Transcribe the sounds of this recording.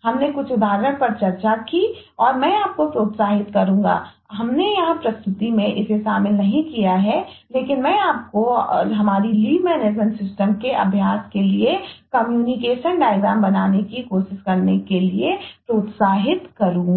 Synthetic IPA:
ɦɐmnekʊt͡ʃʰʊd̪ʱaːɾək̚pɐɾt͡ʃɐɾt͡ʃakiɔːɾmɛ̃ːaːp̚kopɾoːt̪saːɦɪt̪kɐɾũːŋɡa̰ː | ɦɐmnejɐɦãpɾɐst̪ʰʊt̪imẽʔɪseʃaːmɪlnɐɦĩkijaɦɛleːkɪnmɛ̃ːaːp̚koɦɐmaːɾiliːmɛːneːd͡ʒmə̃ɳʈsɪsʈəmkeʔɐ̰bʱjaːskeliekɐmjuːnɪkeːʃənɖaːɪɡãːmbɐnaːnekikoːʃɪʃkɐɾnekeliepɾoːt̪saːɦɪt̪kɐɾũː

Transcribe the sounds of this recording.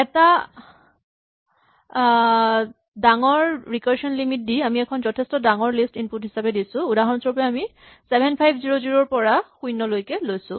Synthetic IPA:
ɛta | daŋɔɹɹikaɹʃɔnlimit̚diamiɛkʰɔnzɔtʰɛstɔdaŋɔɹlistinputɦisapɛdisʊ̃udaɦɔnsɔpjɛami | sɛbʱɛnpʰajbʰziɹoziɹoɹpɔɹaxujnɔlojkɛlojsʊ̰̃

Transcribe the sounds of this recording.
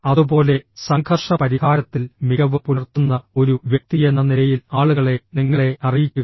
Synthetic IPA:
ɐðubo̞ːle̞sɐŋkʰɐrʂɐpɐɾihaːɾɐt̪ːilmiɣɐʋɨpuɐrt̪ːunːɐo̞ɾuʋjek̚t̪ijenːɐnilɐjilaːɭuɣɐɭe̞niŋːɐɭe̞ɐrijikʲːuɐ

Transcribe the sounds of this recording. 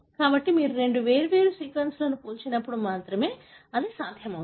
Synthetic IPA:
kaːbɐʈːimiːɾuɾe̞ɳɖuʋe̞ːɾuʋe̞ːɾusiːkʋɐnsloːnupuːlt͡ʃinɐpːuɽumaːt̪ɾɐme̞ː | ɐd̪isaːd̪ʱjɐmɐ

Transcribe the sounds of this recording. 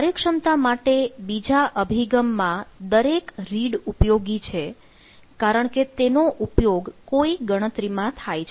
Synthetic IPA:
aɾjəkʂəmt̪amaʈebid͡ʒaʔəbʱiɡəmːãd̪əɾekɾiɽupjoɡit͡ʃʰe | kaɾəɳket̪enoʔupjoɡkoiɡəɽ̃ət̪ɾimãt̪ʰajt͡ʃʰ

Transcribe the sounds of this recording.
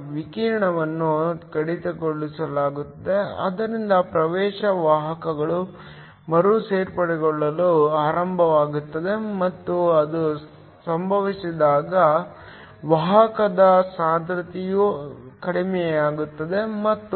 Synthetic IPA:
ʋikiɾɳɐʋɐnːukɐɽit̪ɐɡoɭːisɐlaːɡut̪ːɐd̪eɐ̰d̪ɐɾind̪ɐpɾɐʋɛːʃɐʋaːɦɐkɐɡɐɭu | mɐɾuseːɾpɐɽɛɡɔɭːɐluaːɾɐmbʱɐʋaːɡut̪ːɐd̪e̞mɐt̪ːuɐd̪u | sɐmbʱɐʋisid̪aːɡɐ | ʋɐːɦɐkɐd̪ɐsaːd̪ʱɾɐt̪ijukɐɽimɛjaːɡut̪ːɐd̪e̞mɐt̪ːu

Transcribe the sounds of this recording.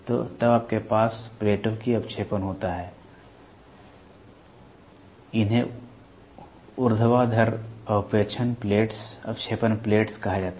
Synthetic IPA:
t̪o̰ːt̪ɐbaːp̚kepaːspleːʈõkiɐpʃeːpənɦoːt̪aɦɛː | ɪnɦẽ | ʊɾd̪ʱəʋad̪ʱəɾɐpeːt͡ʃʰənpleːʈsɐpʃeːpənpleːʈskɐɦad͡ʒaːt̪a

